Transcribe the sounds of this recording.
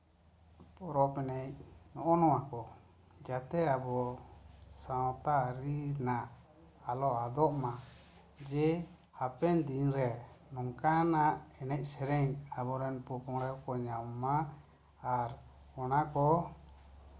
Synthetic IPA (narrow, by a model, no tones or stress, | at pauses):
pɔɾɔpɛnɛc̚nɔʔɔnɔwakɔ | d͡ʒat̪ɛabɔ | sawt̪aɾinaʔ | alɔad̪ɔʔma | d͡ʒɛ | hapɛnd̪inɾɛnɔŋkanaʔɛnɛc̚ˀsɛɾɛɲabɔɾɛnpɔpɔŋɽɛwkɔɲamːaː | ɾ | ɔnakɔ